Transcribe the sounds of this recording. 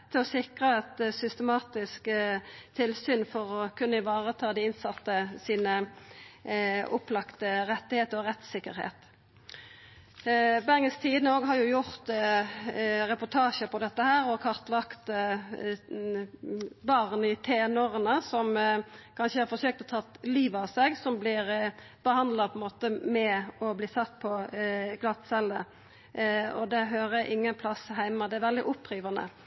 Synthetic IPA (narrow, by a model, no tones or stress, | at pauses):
t̪ʰɔsɪkʁəɛt̪sʏst̪əmɑːt̪ɪskt̪ʰɪlsyːnfɔʁɔkʰʉnːəɪʋɑːʁət̪ʰɑːd̪ɪɪnsɑt̪ːəsiːnə | ʔʊplɑkt̪əɾɛt̪ːɪheːt̪ɔʁɛt̪sɪkːəɾhḛːt̪ | bæʁɡəst̪ʰiːd̪nəoːɡɦɑɾjʊjʊʁt̪ | ʁɛpʊt̪ʰɑːʃəpʰɔd̪ɛt̪ːəhæːɾɔkʰɑʁt̪lɑkt̪ | bɑʁnɪt̪ʰeːnoːʁənəsɔmkʰɑnʃəhɑɾfɔsøːk̚t̪ɛɔt̪ʰɑt̪liːʋɑseɡsɔmblɪɾ | b̥əhɑnd̪lɑpʰɔɛnmoːt̪əmɛɔbliːsɑt̪ːpʰɔɡlɑt̪ːsɛlə | ɔd̪ɛɦøːɾəʔɪŋːənpʰlɑshæɪmɑd̪ɛæɾʋɛld̪ɪʔʊpʰːɾyːʋɑnə̰